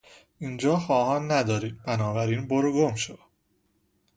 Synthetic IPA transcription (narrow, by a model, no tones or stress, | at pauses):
iːnd͡ʒɒːxɒːhɒːnːæd̪ɒːɾiːd̪̚bænɒːbæɾiːnboɾoɡomʃo